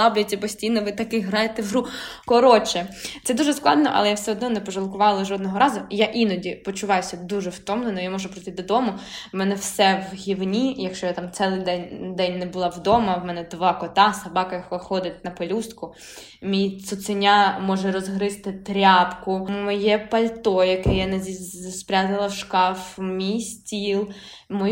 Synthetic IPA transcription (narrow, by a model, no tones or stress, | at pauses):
lˠɑblʲʊtʲːɐpɔsʲtʲijnɔʋɪt̪ɐkɪɦɾɑjet̪ɛwɾukɔɾɔt͡ʃɛt̪ɛd̪uʒɛsklˠɑ̰d̪nɔʔɐ̰lˠɛjawsɛɔd̪nɔnɛpɔʒɐlˠkʊʋɑlˠɐʒɔd̪nɔɦɔɾɑzʊjaʔinɔdʲipɔt͡ʃʊʋɑjʊsʲɐd̪uʒɛwt̪ɔmnenɔjamɔʒʊpɾɔjt̪ɪd̪ɔd̪ɔmʊmɛnɛwsɛwɦʲiwnʲijɐkʃt͡ʃɔjat̪ɑmt̪sɛlˠɪd̪ɛnʲd̪ɛnʲnɛbʊlˠɑwd̪ɔmɐwmɛnɛd̪ʋɑkɔt̪ɑsɐbɑkɐjɐkxɔd̪ɪt̚ʲnɐpɔlʲust̪kʊ | mʲijsʊt̪sɪnʲamɔʒɛɾɔzɦɾɪst̪ɪt̪ɾʲapkʊmɔjɛpɐlʲt̪ɔjɐkɛjanɛzʲispɾʲat̪ɪlˠɐwʃkɑfmʲijsʲtʲilˠ | mɔ